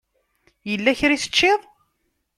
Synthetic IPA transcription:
jəlːæçɾisə̥t͡ʃːɪðˤ

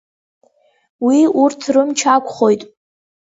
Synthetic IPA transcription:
wiurtʰrɨmt͡ʃʰakʷʰχo̞jtʼ

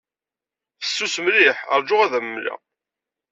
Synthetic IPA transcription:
θə̥sːusmlɪħə̰ɾˤd͡ʒʊʁæðæməmlæ̰

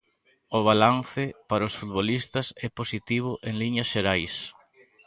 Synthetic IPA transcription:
ʊβ̞alan̟θɪpaɾaʊsfut̪̚βolist̪ɐsɛposit̪iβ̞ʊʔeŋliɲɐsʃeɾajs

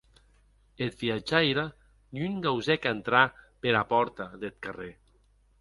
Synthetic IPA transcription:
et̪̚biad͡ʒaeɾa | nyŋɡawzɛkant̪ɾapeɾapɔɾt̪aðet̪̚kare

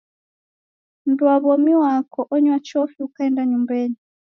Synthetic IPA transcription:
m̩buaβɔmiwakɔʔɔɲwat͡ʃɔfiukaɛndaɲumbɛni

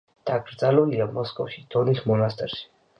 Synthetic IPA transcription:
d̪̥aɡɾd̪zaluliamɔskʼɔfʃid̪̥ɔnismɔnast̪ʼɛɾʃi̥

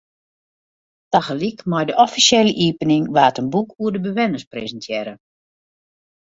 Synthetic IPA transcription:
taxəlikmɔjdəʔɔfisjɛləʔiːpənɪŋʋaːtənbukʰuərdəbəʋɛnəsprezəntʰjɛːɾə

